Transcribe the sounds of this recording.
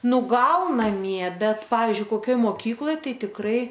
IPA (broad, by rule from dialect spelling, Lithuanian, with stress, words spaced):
ˈnʊ ˈɡɐlˠ nɐˈmʲiɛ ˈbʲɛt ˈpɑːʋʲiːzʲd͡ʒʲʊɪ koːˈkʲoːj ˈmoːkʲiːklˠoːj ˈtɐɪ tʲɪkˈrɐɪ